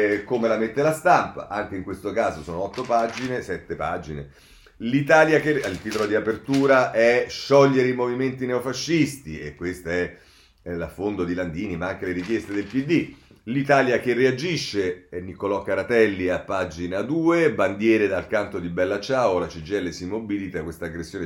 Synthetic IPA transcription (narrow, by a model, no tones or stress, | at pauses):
komelamet̪ːelast̪ampa̰ʔaŋk̟eiŋkwest̪okaːzosoːnoɔt̪ːopad͡ʒinesɛt̪ːepaːd͡ʒine | lit̪aːljakealt̪it̪olod̪iapert̪uːɾaʔɛʃɔʎːeɾeimoviment̪ineofaʃːist̪iḛkːwest̪aɛ | lafːond̪od̪iland̪iːnimaaŋkeleɾik̟jest̪ed̪elpid̪ːi | lit̪aːljakeread͡ʒiʃːenikolɔkːaɾat̪ɛlːiapːad͡ʒinad̪uːeband̪jɛːɾed̪alkant̪od̪ibɛlːat͡ʃaːolat͡ʃid͡ʒɛlːesimːobilit̪akwest̪aːɡɾesːjoːne